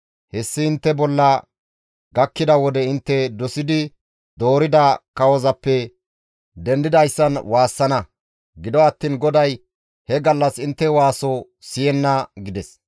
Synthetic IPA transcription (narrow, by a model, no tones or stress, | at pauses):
hɛsːɪɪnt̪ːɛbɔlːɐ | ɡɐkːɪd̪ɐwɔd̪ɛɪnt̪ːɛd̪ɔsɪd̪ɪ | d̪o̞ːɾɪd̪ɐkɐwɔzɐpːɛ | d̪ɛnd̪ɪd̪ɐjsːɐnwaːsːɐnɐ | ɡɪd̪ɔɐt̪ːiːnɡɔd̪ɐj | hɛɡɐlːɐsɪnt̪ːɛwaːsɔ | sɪjɛnːɐɡɪd̪ɛs